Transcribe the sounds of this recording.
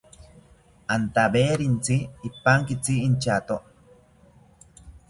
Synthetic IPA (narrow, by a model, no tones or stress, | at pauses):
ant̪abeɾint͡siːpːaŋkit͡siint͡ʃat̪oʔ